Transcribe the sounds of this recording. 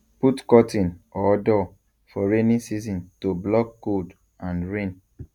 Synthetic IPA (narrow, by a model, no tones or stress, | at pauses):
putkɔtʰĩnɔdɔ | fɔɹenĩnsizɔ̃ntoblɔkːod | ãnɹẽn